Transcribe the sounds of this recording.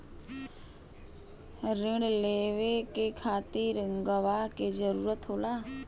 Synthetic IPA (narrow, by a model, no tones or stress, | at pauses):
ɾɪɽleːʋekekʰaːt̪iɾŋɡəʋaked͡ʒəɾuːɾət̪ɦoːlaː